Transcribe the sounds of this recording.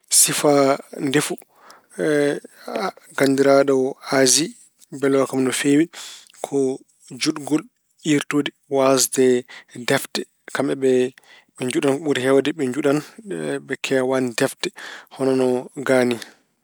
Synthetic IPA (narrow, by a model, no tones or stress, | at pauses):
sifandefu | ɡandiɾaɗɔazi | bɛlɔakamnɔfewi | kʰɔ | d͡ʒuɗɡol | iɾtoːdi | wasdɛdɛftɛ | kamɛbɛ | ɓɛɲd͡ʒuɗanɓuɾhɛwadɛɓɛɲd͡ʒuɗanbɛkʰɛwandɛftɛhɔnɔnɔɡani